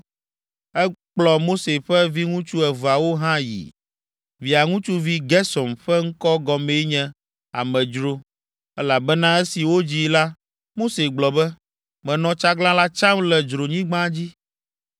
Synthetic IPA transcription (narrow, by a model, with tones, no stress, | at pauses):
ɛ˦k͡plɔ˨mo˦se˨ɸɛ˦vi˦ŋũ˦t͡ʃu˦ɛ˨va˨wo˦ɦã˦jḭ˨ | vi˨a˨ŋũ˦t͡ʃu˦vi˦ɡɛ˦sɔ˨mɸɛ˦ŋ̩˦kɔ˦ɡɔ˨me˨˦ɲɛ̃˦ | a̰˨mɛ̃˨d͡ʒɾo˦ | ɛ˦la˨bɛ˦nã˦ɛ˦si˨wo˦d͡ʑi˦la˦ | mo˦se˨ɡ͡blɔ˨bɛ˦ | mɛ̃˨nɔ̃˨t͡ʃa˦ɡlã˦la˦t͡ʃã˦mlɛ˨d͡ʒɾo˨ɲĩ˦ɡ͡bã˦d͡ʑi˦